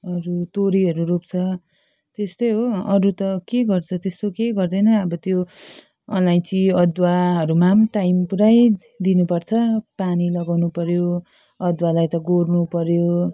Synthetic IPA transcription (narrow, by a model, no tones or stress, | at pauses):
ʌɾut̪oɾiɦʌɾuɾupt͡sʰʌ | t̪est̪ojɦoʌɾut̪ʌkeɡʌrt͡sʰʌt̪est̪okeɡʌrd̪ʌjnʌʌbʌt̪jo | ʌnlajnt͡siʌd̪waɦʌɾumamʈaimpuɾaj | d̪inupʌrt͡sʰʌpanilʌɡawnupʌɾjo | ʌd̪walajt̪ʌɡornupʌɾjo